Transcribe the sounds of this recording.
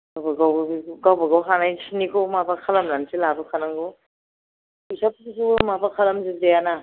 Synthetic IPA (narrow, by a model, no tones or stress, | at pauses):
ɡawbaɡawɡawbaɡawɦanajsinikʰomabakʰalamlansilabakʰanaŋɡɯ | isaptisumabakʰalamzidejana